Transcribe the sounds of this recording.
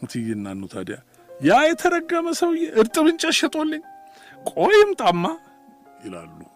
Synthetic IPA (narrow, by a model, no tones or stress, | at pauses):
t̪ʰijɪnːanːut̪ʰa̰d̪ja | jajɛt̪ʰəɾəɡːəməsəwɨjːɛʔɨɾt̪ʼɨβɨnt͡ʃʼɐʃːɛt̪ʼolːəɲː | kʼojɪmt̪ʼamːa | jɪla̰lːu